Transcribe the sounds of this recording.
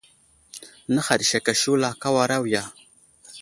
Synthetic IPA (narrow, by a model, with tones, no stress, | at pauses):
nə˦xa˨ɗi˨ʃa˨ka˨ʃu˦la˨ka˦wa˨ɾa˦wja˨